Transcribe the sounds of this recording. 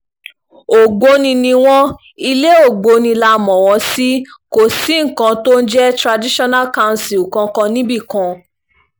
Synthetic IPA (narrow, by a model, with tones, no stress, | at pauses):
o˨ɡ͡bo˨˧˦nĩ˧nĩ˧w̃ɔ̃˦ | i˧le˦o˦˨ɡ͡bo˨˦nĩ˧la˧˦mɔ̃˨wɔ̃˧si˦ko˨si˨˦ŋ̩˨kã˧to˦n̩˦d͡ʒɛ˦tɾa˧di˦ʃɔ˦na˦˨kã˦˧˨n˨si˨u˨kã˧kã˧nĩ˦bi˦˨kã˧